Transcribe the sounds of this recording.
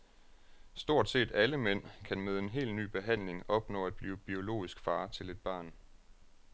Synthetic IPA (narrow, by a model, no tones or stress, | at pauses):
sd̥o̝ɐ̰d̥se̝̰ːd̥æləmen̰kʰænmeðˠe̝nɦe̝̰ːlny̰ːb̥e̝ɦæn̰le̝ŋɒ̽b̥nɔ̰̽ːæd̥̚b̥liːʊb̥io̝lo̝̰ːisɡ̥fɑ̈ːt͡sʰe̝le̝d̥̚b̥ɑ̰̈ːn